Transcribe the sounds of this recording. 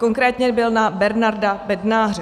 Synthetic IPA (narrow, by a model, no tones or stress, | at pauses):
ko̞ŋkɾɛːt̪ɲɛbɪlnabɛɾnaɾdabɛdnaːɦrɛ